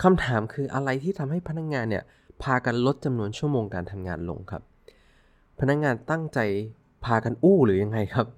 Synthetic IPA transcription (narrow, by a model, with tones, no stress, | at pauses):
kʰa˧mt̪ʰaː˩˦mkʰɯː˧ʔa̰˧ɾa˧jt̪ʰiː˥˩t̪ʰa˧mɦa˥˩jpʰa˧na˦˥k̚ŋaː˧nːi˥˩ɐ | pʰaː˧ka˧nlo˦˥t̪̚t͡ɕa˧mnu˧ənt͡ɕʰu˥˩əmoː˧ŋkaː˧nt̪ʰa˧mŋa̰ː˧nlo̰˧ŋkʰa̰˦˥p̚ʰː | a˧na˦˥k̚ŋaː˧nt̪a˥˩ŋt͡ɕa˧j | pʰaː˧ka˧nʔuː˥˩ɾɯː˩˦ja˧ŋːa˧jkʰa˦˥p̚